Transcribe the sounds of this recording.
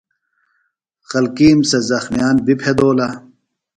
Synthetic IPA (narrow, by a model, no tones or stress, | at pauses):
xɐlkiːmsɐzɐxmjaːnbipʰed̪oːlɐ